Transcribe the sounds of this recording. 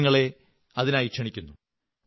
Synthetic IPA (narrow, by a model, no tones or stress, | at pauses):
ŋːɐɭe̞ | ɐðinaːjikʂɐɳikʲːunːu